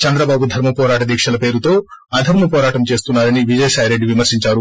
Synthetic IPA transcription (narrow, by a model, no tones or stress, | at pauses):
t͡ʃɐnd̪ɾɐbaːbud̪ʱɐɾmɐpɔːɾaːʈɐd̪iːkʂɐlɐpe̞ːɾut̪o̞ːaːd̪ʱɐɾmɐpɔːɾaːʈɐmt͡ʃe̞ːst̪unːaːɾɐniʋid͡ʒɐjɐsaːjɾe̞ɖːiʋimɐɾsiɲt͡ʃaːɾu